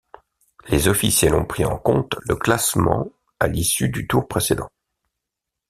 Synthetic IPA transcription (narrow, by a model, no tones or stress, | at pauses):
lezɔfisjɛlɔ̃pχiɑ̰̃kɔ̰̃t̪ləklasmɑ̰̃ | alisyd̪yt̪uʁpχesed̪ɑ̃